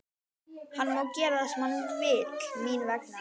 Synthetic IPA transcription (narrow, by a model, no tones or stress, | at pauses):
hanːmawcɛːɾaðasmanmt̪vɪːt̪miːnvɛk̚n